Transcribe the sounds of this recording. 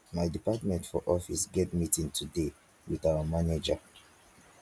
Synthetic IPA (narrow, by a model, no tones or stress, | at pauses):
majdipatmɛ̃ntfɔʔɔfisɡɛtmitĩŋtʰude | wiðawamaned͡ʒa̰